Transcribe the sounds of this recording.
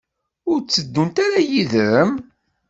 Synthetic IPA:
ʊɾt͡sːəd̪ːunt̪aɾajiðəɾəm

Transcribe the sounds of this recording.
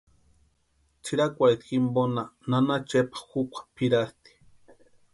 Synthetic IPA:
t͡ʃiɾakʷaɾit̪ximbonananat͡ʃepḁxukʷʰḁpiɾast̪i̥

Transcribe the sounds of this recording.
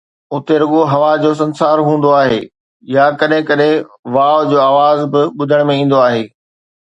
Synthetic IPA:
ʊt̪eɾʊɠoɦɐʋad͡ʑoːs̬ɐ̃nsaːɾɦũːn̆d̪oaːɦeː | jakɐɗɦɪ̃kɐɗɦɪ̃ʋaːʋd͡ʑoːaːʋaːzbɪɓʊd̪ʱəɽ̃mẽĩːn̆d̪oaːɦeː

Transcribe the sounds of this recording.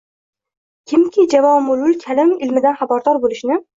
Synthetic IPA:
kʲʰɪmkʲɪd͡ʒavɒmʊlʊlˠkʲʰalɪmɪlmɪd̪anχabɒɾd̪ɒɾbolɪʃnɪ

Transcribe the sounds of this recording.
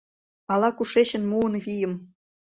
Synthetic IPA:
ɑlɑkuʃeɕə̆nmuənβʲijə̆m

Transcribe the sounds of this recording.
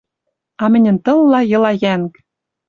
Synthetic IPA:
ɑmɘ̆nʲɘ̆nt̪ɤ̆lːɑjɤ̆lɑjæŋk

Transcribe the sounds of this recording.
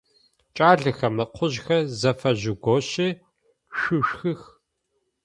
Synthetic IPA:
t͡ʃʼaːɮɨxɐmɨqʰʷʊʑxɐzɐfɐʑɪɡʷoɕɪ | ʃʷʊʃxɨx

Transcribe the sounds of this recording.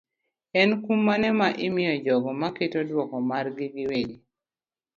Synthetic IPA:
ɛnkumːanɛmaʔɪmɪjɔd͡ʒɔɡɔmaketodwɔkɔmarɡɪɡɪweɡi

